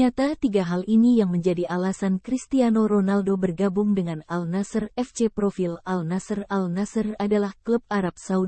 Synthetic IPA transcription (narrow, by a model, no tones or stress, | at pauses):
at̪at̪iɡaɦalinijaŋməɲd͡ʒadiʔalasankɾist̪ianoɾonaldobərɡabʊŋdəŋanalnasərɛft͡ʃepɾofilalnasəralnasəradalahklup̚aɾap̚sau